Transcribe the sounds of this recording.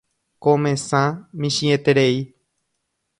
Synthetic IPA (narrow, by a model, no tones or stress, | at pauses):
kõmẽsãmĩʃĩet̪eɾei